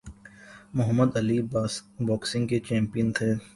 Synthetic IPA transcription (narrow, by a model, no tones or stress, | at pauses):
mʊɦəmːəd̪ɐlibɔːksɪ̃ŋɡket͡ʃɛ̃ːmpijənt̪ʰeː